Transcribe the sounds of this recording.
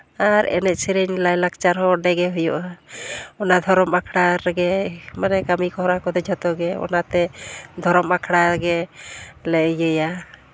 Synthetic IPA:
aɾɛ̰nɛt̪̚siɾɛɲlajlak̚t͡ʃaɾɦɔɖɛɡɛɦujɔʔa | ɔnad̪ʱɔɾɔmakʰɽaɾɛɡɛmanɛkamikɔɦɾakɔd̪ɛd͡ʒʱɔt̪ɔɡɛɔ̰nat̪ɛd̪ʱɔɾɔmakʰɽaɡɛ | lɛjəja

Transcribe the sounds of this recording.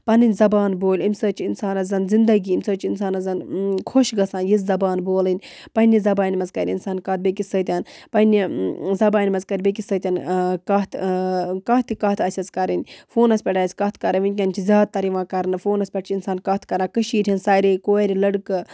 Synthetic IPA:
pɐnɨnʲzɐbaːnboːlʲimsəːt͡ʃʰiinsaːnɐzɐnzind̪ɐɡiːimʲsəːt͡ʃinsaːnɐzɐnkʰoʃɡɐsãːnjizzɐbaːnboːlɨnʲ | pɐnʲizɐbaːnʲmɐzkɐɾʲḭnsaːnkɐːt̪̚bekisəːt̪ʲanpɐnʲizɐbaːnʲmɐzkɐɾʲbekʲisəːt̪ʲankɐt̪ʰkɐːt̪ikɐːt̪ʰɐsʲɐt͡skɐɾɨnʲfoːnɐsʲpʲɛʈaːsʲkɐt̪ʰkɐɾɨʋinʲkʲɐnʲt͡ʃʰizʲaːd̪̚t̪ːɐɾiʋãːkɐɾnɨfoːnɐsʲpʲɐʈ̚t͡ʃʰiinsaːnkɐt̪ʰkɐɾaːkɨʃiːʈʰʲinsaːɾekoːɾʲilɐɽkɨ

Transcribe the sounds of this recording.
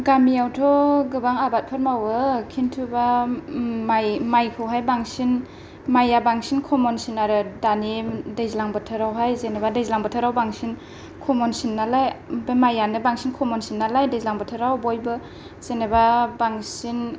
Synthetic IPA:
ɡamijawtʰɔɡɯbaŋabat̚pʰɯɾmawɯkʰintʰuba | majmajkʰɯwɦajbaŋsin | majabaŋsinkʰɔmɔnsinaɾɯdanidajzilaŋbɯtʰɯɾawɦajzenebadajzilaŋbɯtʰɯɾawbaŋsin | kʰɔmɔnsinːalajbmajanɯbaŋsinkʰɔmɔnsinːalajdezlaŋbɯtʰɯɾawbɔjbɯ | z̥enebabaŋsin

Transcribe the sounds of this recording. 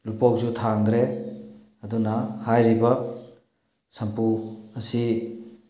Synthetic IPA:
lupok̚zutʰaŋɡɾe | ɐdunɐhajɾibɐ | sɐmpuɐsi

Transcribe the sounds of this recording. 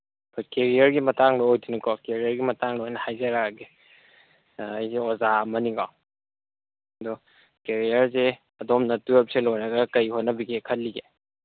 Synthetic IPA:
pʰɔkeɾijɐɾɡimɐtaŋloojdinɐkɔkeɾiɐɾɡimɐtaŋlojnɐhajzɐɾaɡe | ɐjseozaɐmɐniɡaw | dɔ | keɾijɐɾse | ɐdɔmnɐtujep̚selojnɐɡɐkɐjhotnɐbiɡekʰɐtlːiɡe

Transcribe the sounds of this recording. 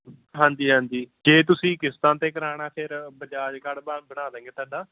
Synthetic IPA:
ɦãːnd̪iːɦãːnd̪iːd͡ʒeːt̪̬ʊsĩːkɪst̪ãːt̪eːkəɾaːɽ̃aːpʰɪɾbəd͡ʒaːd͡ʒkəɽbbəɽ̃aːd̪ɛ̃ːŋɡeːt̪ʰãːɳɖaː

